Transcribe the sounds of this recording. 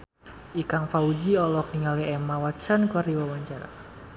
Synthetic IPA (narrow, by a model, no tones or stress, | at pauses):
ʔikaŋfaud͡ʒiɔlɔk̚niŋaliɛmawat̪t͡ʃankuardiwawaɲt͡ʃaɾa̰